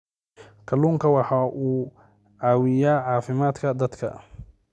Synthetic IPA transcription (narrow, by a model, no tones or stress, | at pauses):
kʰɐluːŋkʰɐwɑħɑːʔuː | ʕaːwɪjaːʕɑːfɪmaːd̪kʰɐd̪ɐd̪kʰɐ̰